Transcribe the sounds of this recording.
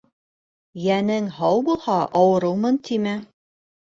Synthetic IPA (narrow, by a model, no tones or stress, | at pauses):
jænɘŋhɑwbulˠhɑʔɑwɤ̆ɾɤwmɤnt̪ʰimɘ